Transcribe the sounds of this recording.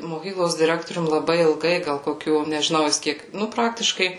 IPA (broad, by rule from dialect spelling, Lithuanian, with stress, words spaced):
moːˈkʲiːklˠoːs dʲɪˈrʲæːktoːrʲʊm lˠɐˈbɐɪ ɪlˠˈɡɐɪ ɡɐlˠ koːˈkʲuː nʲɛʒʲɪˈnɐʊ jɪs ˈkʲiɛk ˈnʊ ˈprɑːktʲɪʃkɐɪ